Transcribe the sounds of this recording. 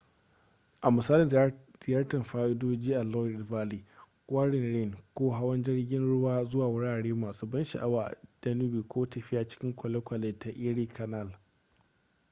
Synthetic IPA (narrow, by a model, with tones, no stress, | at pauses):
ʔa˨mʊ˨saː˦lɪ˨z̥ɪ˨ja˦rtɐ˨mɸaː˦ʔɪ˦doː˦d͡ʒiː˦ʔa˨lɔ˦˨dvaː˦liː˨ | kʷʼwaː˦ɽɪ˨nɽɪ˦˨nkʷoː˦ɦa˦wɐ˦nd͡ʒɪ˦ɽɡʲɪ˦nɽʊ˦waː˦zʊ˦waː˨wʊ˦ɽaː˨ɽeː˦maː˨suː˦bɐ˦nʃa̰˨ʔa˦waː˨d̥ɐ˦nu˦biː˨kʷoː˦tɐ˨ɸɪ˦jaː˨t͡ʃɪ̥˦kʲɪ˦ŋkʷɔ˨lɛ˦kʷɐ˨le˨ta˨ʔi˦ɽiː˦kʰɐ˨na˦˨l